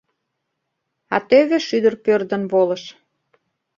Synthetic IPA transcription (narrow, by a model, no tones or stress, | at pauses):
ɑt̪øβeʃyd̪ərpørd̪ə̆nβolə̆ʃ